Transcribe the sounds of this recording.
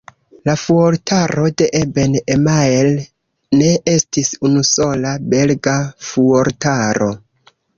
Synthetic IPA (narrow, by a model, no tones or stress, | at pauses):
lafuoɾtʰaɾo̞de̞ʔebenemael | ne̞ʔe̞stisunuso̞labe̞lɡafuoɾtaɾʔo̞̰